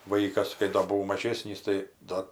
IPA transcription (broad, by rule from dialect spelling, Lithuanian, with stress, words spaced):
ˈʋɐɪkɐs kɐɪ ˈdoː bʊˈʋɐʊ mɐˈʒʲeːsʲnʲiːs tɐɪ ˈdɐ